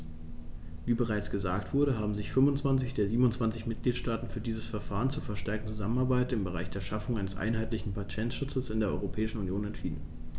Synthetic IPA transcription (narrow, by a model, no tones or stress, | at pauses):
viːbəʁ̞aɪt͡sɡ̥əzaːktv̥ʊɐɾəɦaːbm̩zɪçfʏnvʊntt͡sv̥ant͡sɪçd̥eːɐziːbm̩ʊntt͡sv̥ant͡sɪçmɪt̚ɡ̥liːtʃtaːtn̩fyːɐdiːzəsfɛɐfaːʁənt͡suːɐfɛɐʃtɛɐk̚n̩t͡suzamənaɐbaɪtɪmbəʁ̞a̰ɪçd̥eːɐʃafʊŋʔaɪnəsʔa̰ɪnɦaɪtlɪçn̩pʰatʰɛntʃʊt͡səl̩sɪndeːɐʔɔʏʁopʰɛːɪʃn̩unjoːnɛntʃiːdn̩